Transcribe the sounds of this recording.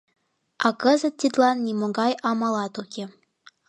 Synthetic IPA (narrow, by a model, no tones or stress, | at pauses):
ɑkəzə̆t̪ʲːid̪lɑnːimoɡɑjɑmɑlɑt̪ukʲe